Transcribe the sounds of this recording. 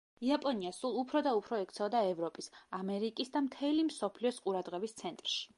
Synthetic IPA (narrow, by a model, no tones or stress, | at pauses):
iapʼɔniasulˠupʰɾɔd̪aupʰɾɔɛkʰt̪sʰɛvɔd̪aɛvɾɔpʼisamɛɾikʼisd̪amt̪ʰɛlimsɔpʰliɔsqʼuɾad̪ʁɛbist̪sʰɛnt̪ʼɾʃi̥